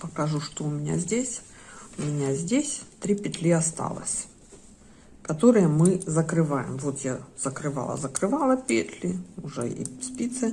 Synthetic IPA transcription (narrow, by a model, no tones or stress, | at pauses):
pəkɐʐuʂt̪oʊmʲɪnʲa̰zʲdʲesʲ | ʊmʲɪnʲazʲdʲesʲt̪ɾʲipʲɪt̪lʲiɐst̪ɑ̰lˠə̰sʲ | kɐt̪o̞ɾɨjəmɨzəkɾɨvajɪ̰mvo̞t̪jaz̥əkɾɨvɑ̰lˠə̰zəkɾɨvɑlˠəpʲḛt̪lʲɪʊʐɛ̰ḭspʲit̪sɨ